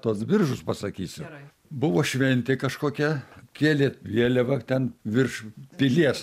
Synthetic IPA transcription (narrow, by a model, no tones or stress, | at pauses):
t̪uɔsbʲɪrʒʊspɐsɐkʲiːsʲɪ | bʊʋoːʃʲʋʲɛnʲt̪ʲɪkɐʃkoːkʲɛkʲeɛlʲeːt̪ʋʲiɛlʲɛʋɐt̪ʲɛnʋʲɪrʃpʲilʲiɛs